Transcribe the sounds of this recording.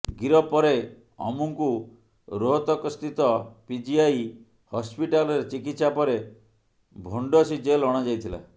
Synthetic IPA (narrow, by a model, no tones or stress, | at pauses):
ɡiɾɔpɔɾe | ɔ̰muŋku | ɾoɦɔt̪ɔkɔst̪ʰit̪ɔpid͡ʒiaj | hɔspiʈalɔɾet͡ʃikit̪sapɔɾe | bʱoɳɖɔsid͡ʒelɔɽ̃ɔd͡ʒajt̪ʰila̰